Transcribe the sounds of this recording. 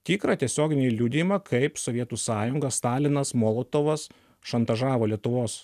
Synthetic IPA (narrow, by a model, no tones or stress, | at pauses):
t̪ʲiːkɾɐt̪ʲiɛsʲoːɡʲɪnʲɪlʲuːd̪ʲɪjmɐkʰɐɪpsoʋʲiɛt̪uːsɑːjʊŋɡɐsst̪ɑːlʲɪnɐsmoːlˠoːt̪oːʋɐs | ʃɐnt̪ɐʒɑːʋoːlʲiɛt̪ʊʋoːs